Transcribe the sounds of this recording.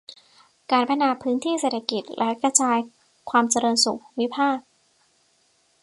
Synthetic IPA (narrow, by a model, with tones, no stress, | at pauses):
kaː˧˩npʰa˧naː˧˩pʰɯː˦˥nt̪ʰiː˥˩seː˨˩t̪ʰa˧ki˨˩t̪̚lʔɛ̰˦˥ka˧t͡ɕaː˧j | kʰwaː˧mt͡ɕa˧ɾɤː˧nsu˨˩k̚wi˦˥pʰaː˥˩k̚